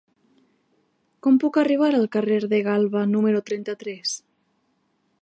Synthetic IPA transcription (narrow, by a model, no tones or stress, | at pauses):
kɔmpukariβ̞aɾalˠkareɾðeɣalˠβanumeɾut̪ɾɛnt̪at̪ɾɛs